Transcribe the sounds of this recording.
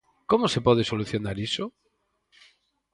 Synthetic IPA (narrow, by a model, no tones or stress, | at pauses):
komosepoð̞esoluθjonaɾiso